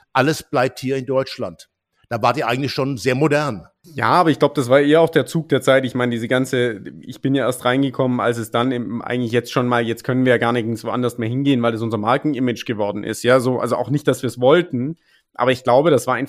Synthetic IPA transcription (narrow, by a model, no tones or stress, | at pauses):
ʔaləsb̥laɪp̚thiːɐɪndɔʏt͡ʃla̰nt | d̥aːvaːɐtiːɐʔa̰ɪɡŋ̩tlɪçʃoːnzeːɐmodɛɐn | ja̰ːʔaːbɐɪçɡ̥laʊbəd̥as̬v̥aːɐʔeːɐaʊxd̥eːɐt͡suːk̚d̥eːɐt͡saɪtɪçmaɪnədiːzəɡant͡səʔɪ̰çb̥ɪnjaːʔeːɐstʁaɪnɡəkʰɔməna̰ls̬ɛsd̥anɪmʔa̰ɪɡŋ̩tlɪç̬jɛt͡stʃoːnmaːljɛt͡st̚kʰœnənviːɐjaːɡaɐnɪn̩svoʔa̰ndɐstmeːɐɦɪnɡeːənvaɪldas̬ʊnzɐmaɐkŋ̩ʔɪmɪd͡ʒɡ̥əvɔɐdn̩ʔɪ̰stjaːzoːʔa̰lzoʔa̰ʊxnɪçt̚d̥asv̥iːɐsv̥ɔltn̩ | ʔaːbɐɪçɡ̥laʊbəɾasv̥aɐaɪn